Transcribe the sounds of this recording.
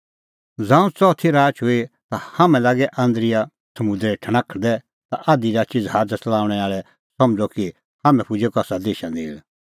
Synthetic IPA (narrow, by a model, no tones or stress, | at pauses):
d͡zãːũt͡sɔt̪ʰiɾaːt͡ʃɦʊit̪ahamɛ̃laːɡɛʔãːnd̪ɾɪja | sɐmʊd̪ɾɛʈʰɐɽ̃akʰd̪ɛ | t̪aʔad̪iɾaːt͡ʃid͡zɦaːɾd͡ʒət͡sɐlaːʋɽ̃ɛaːɭɛ | sɐ̃md͡zɔki | hamɛ̃pʰʊd͡ʒekɔasad̪eːʃãd̪eːɭ